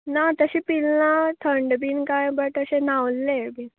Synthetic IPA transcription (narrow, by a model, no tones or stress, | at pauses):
nat̪əɕĩpilːãt̪ʰəɳɖbiːnkajbəʈt̪əɕenawlːẽbin